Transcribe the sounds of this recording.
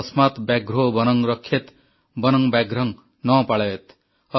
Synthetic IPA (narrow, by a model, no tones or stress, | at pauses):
ʌsmat̪bjaɡɾobʌnʌŋɾʌkʰːet̪ | bʌnʌŋbaɡɾʌŋ | nʌpaɭʌet̪ | ʌ